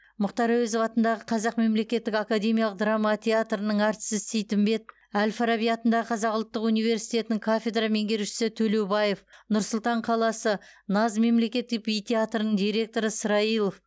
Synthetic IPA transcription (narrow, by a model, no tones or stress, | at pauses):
mʊqt̪ɑɾɑwezovɑt̪ənd̪ɑʁəqʰɑzɑqme̞mle̞kʲe̞t̪ːɪkakad̪e̞mijɑlˠəq̚d̪rɑmːat̪ʰʲeat̪rənəɴɑɾt̪sɪzsejt̪ɪmbe̞t̪̚ | ælfaɾabijɑt̪ənd̪ɑʁəqʰɑzɑqʊlˠt̪ːəqunijve̞ɾsijt̪e̞t̪ɪnɪŋkʰafʲe̞d̪rame̞ŋɡʲe̞ɾʃɪ̥sɪt̪ʰɵlewbɑje̞fnʊɾsʊlˠt̪ɑɴqʰɑlˠɑsənɑzme̞mle̞kʲe̞t̪ːɪk̚bijt̪ʰʲeat̪rənəɴd̪ijɾe̞k̚t̪o̞ɾəsəɾɑilˠof